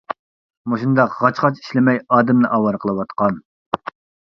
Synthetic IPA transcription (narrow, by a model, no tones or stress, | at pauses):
muʃund̪ɑqʁɑt͡ʃχɑt͡ʃi̥ʃlɪmɛjɑːd̪ɪmnɨʔɑwɑɾqʰəlˠɨwɑt̪qɑn